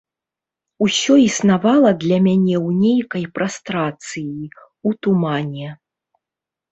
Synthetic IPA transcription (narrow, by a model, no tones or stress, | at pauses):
usʲɔisnavalˠɐd̪lʲɐmʲanʲɛwnʲejkɐjpɾʔast̪ɾat̪sɨji | ut̪umanʲɛ